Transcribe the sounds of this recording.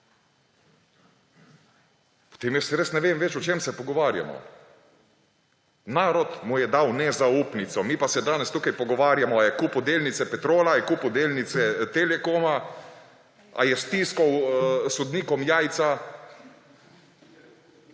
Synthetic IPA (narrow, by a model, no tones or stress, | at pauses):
pɔ̥t̪eːmjɛsɾesnɛʋeːmʋɛt͡ʃɔt͡ʃeːmsɛpɔɡɔʋaːɾja̰mɔ̰ | naːɾɔt̪mujɛd̪awnɛzauːpnit̪sɔmiːpasɛd̪aːnɛst̪uːkajpɔɡɔʋaːɾjamɔajɛkuːpwd̪eːlnit̪sɛpɛt̪ɾoːlajɛkuːpwd̪eːlnit̪sɛt̪elɛkoːma | a̰jɛst̪iːskɔwsɔd̪niːkɔmjaːjt̪sa